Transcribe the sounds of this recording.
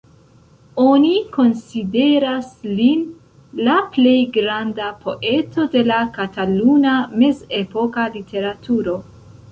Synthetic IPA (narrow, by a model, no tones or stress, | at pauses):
o̞niko̞nside̞ɾaslin | laple̞jɡɾandapʰo̞̰ʔe̞to̞de̞lakataluname̞ze̞po̞kalitʰe̞ɾatʰuɾo̞